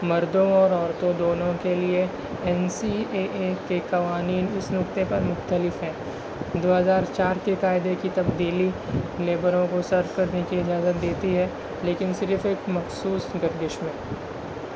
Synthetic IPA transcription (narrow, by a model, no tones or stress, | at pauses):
mɐɾd̪õɔːɾɔːɾt̪õd̪oːnõkelie | ɛnsieːʔekekɐʋaːniːnɪsnʊkt̪epɐɾmʊxt̪əlɪfɦɛ̃ː | d̪oːɦɐzaːɾt͡ʃaːɾkekaːɪd̪ekit̪ɐbd̪iːlileːbəɾõkosɐɾfkɐɾnekiɪd͡ʒaːzət̪̚d̪eːt̪iɦɛː | leːkɪnsɪɾfeːkmɐxsuːsɡɐɾd̪ɪʃmẽː